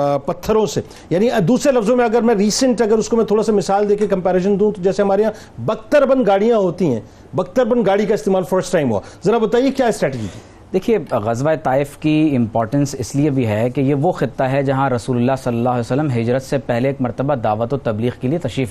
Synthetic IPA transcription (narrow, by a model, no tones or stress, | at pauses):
pɐt̪ʰːəɾõse | jaːniɐd̪uːsɾelɐfzõmẽɐɡəɾmɛ̃ɾiːsə̃ɳʈɐɡəɾʊskomɛ̃t̪ʰoːɽasamɪsaːld̪eːkʰekɐ̃mpɛːɾeːʃ̬ənd̪ũt̪od͡ʒɛːseɦɐmaːɾejãː | bɐk̚t̪əɾbɐnɡaːɽijãɦoːt̪iɦɛ̃ː | bɐk̚t̪əɾbənɡaːɽikaɪst̪eːmaːlfəɾsʈaːɪmɦṵa̰ːzɐɾabɐt̪aːijekjaːɪsʈɾɛːʈed͡ʒit̪ʰi | d̪eːkʰieɣɐzʋaːet̪aːɪfkiɪ̃mpɔːɾʈə̃nsɪsliebʱiɦɛkejeʋoxɪt̪ːaɦɛd͡ʒɐɦãɾɐsuːlʊlːasɐlːɐlːaːɦlɛsəlːəmɦɪd͡ʒɾət̪sepɛɦleːkmɐɾt̪əbad̪aːʋət̪ot̪ɐbliːɣkeliet̪ɐʃɾiːf